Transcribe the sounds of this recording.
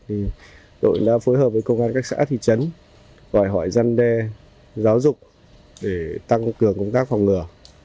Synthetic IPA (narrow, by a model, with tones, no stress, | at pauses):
t̪ʰi˨˩ | ɗo̰˧˨jɗa̰ː˧˥foː˨˦jɦəː˨˩p̚vːjkə˧wŋ͡mʔaː˧nkaː˦˥k̚sa̰ː˧˥t̪ʰḭ˧˨t͡ɕə˨˦n | ɣɔ˧˩jɦɔ˧˩jza˧nɗɛ˧ | zaː˨˦wzʊ˨˩k͡p̚ | ɗe˧˩t̪a˧ŋkɨ˨˩əŋkʊ˧wŋ͡mt̪aː˦˥k̚ha˨˩wŋ͡mŋɨ˨˩ə